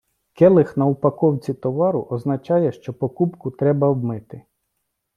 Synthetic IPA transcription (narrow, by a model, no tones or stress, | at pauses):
kɛlˠɪxnɐupɐkɔwt͡sʲit̪ɔʋɑɾʊʔɔznɐt͡ʃɑjɛʃt͡ʃɔpɔkupkʊt̪ɾɛbɐbmɪt̪ɪ